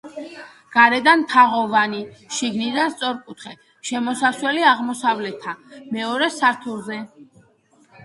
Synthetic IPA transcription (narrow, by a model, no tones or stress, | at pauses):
ɡ̥aɾɛd̪anmt̪ʰaʁɔvaniʃiɡnid̪ast̪sʼɔɾkʼut̪ʰχɛ | ʃɛmɔsaswɛliaʁmɔsavlɛt̪ʰːamɛɔɾɛsaɾt̪ʰulˠzɛ